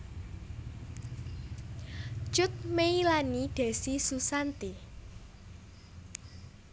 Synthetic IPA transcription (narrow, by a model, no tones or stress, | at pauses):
t͡ʃʊt̪̚meilanid̪̥e̤sisusant̪i